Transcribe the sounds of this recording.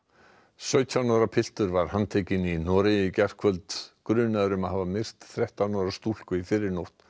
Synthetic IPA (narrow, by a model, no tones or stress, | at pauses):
sœːɥt̪ʰjanɔːɾapʰɪl̥t̪ʏɾvaɾ̥hanːt̪ʰɛːcɪninɔːɾɪjɪcɛr̥kʰvœlt̪kɾʏːnaðʏɾʏmaðhaːvamɪr̥t̪θɾɛht̪anɔɾast̪ul̥kʏifɪɾɪɾnowht̪